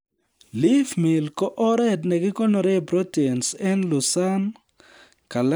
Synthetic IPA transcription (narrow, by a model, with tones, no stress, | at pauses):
lɪ˦fmɪ˨lkɔ˦ʔɔ˦ɾɛ˦tnɛ˨ɡɪ˦kɔ˦no˨ɾɛ˦˨bɾo˦te˨nsɛ˦nlu˨sa˦n | ka˨l